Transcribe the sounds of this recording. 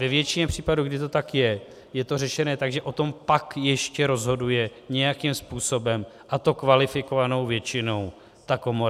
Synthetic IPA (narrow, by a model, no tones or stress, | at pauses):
vɛvjɛt͡ʃɪɲɛpr̝̥iːpaduɡdɪt̪o̞t̪akjɛ | jɛt̪o̞rɛʃɛnɛːt̪aɡʒɛʔo̞t̪o̞mpakjɛʃcɛɾo̞zɦo̞dujɛɲɛjakimspuːso̞bɛm | ʔat̪o̞kvalɪfɪkovano̞wvjɛt͡ʃɪno̞w | t̪ako̞moɾa